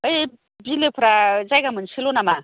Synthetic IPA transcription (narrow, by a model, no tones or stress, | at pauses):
əj | bilepʰɾad͡zajɡamənsʰilonama